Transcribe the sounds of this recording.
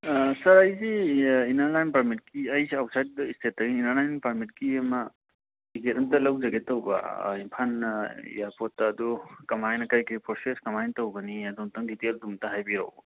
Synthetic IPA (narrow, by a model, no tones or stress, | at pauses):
sɐɾɐjziinɐɾnajnpaɾmit̚kiɐjsawsʰajt̚distʰetːɐɡiinaɾnajnpaɾmit̚kiɐmɐ | tiɡetɐmtɐlawzɐɡetːɐwba̰impʰan̰japʰɔtːaːdukɐmajnɐkajkipʰɔseskɐmajntɐwɡɐniɐdumtɐŋditeldumtɐɦajbia̰w